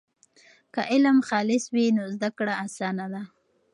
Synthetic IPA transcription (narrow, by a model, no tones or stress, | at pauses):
kaʔɪlmxɑlɪswinozd̪akɽaasɑnad̪a